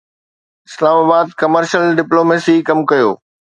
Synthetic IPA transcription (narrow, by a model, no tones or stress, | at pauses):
ɪslaːmaːbaːd̪̚kɐməɾʃəlɖɪploːmeːsikɐmkɐjo̰ː